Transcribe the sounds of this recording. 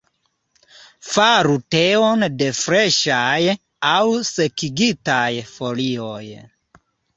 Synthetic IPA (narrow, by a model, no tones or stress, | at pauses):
faɾute̞o̞nde̞fɾe̞ʃaj | awse̞kiɡitajfo̞lio̞j